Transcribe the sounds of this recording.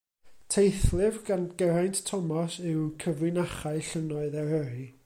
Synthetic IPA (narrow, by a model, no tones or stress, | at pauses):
tʰejθlˠɪvɡanɡəɾajnttʰɔmɔsɪwkʰəvrɪnaχaɨɬənɔɨðaəɾɨ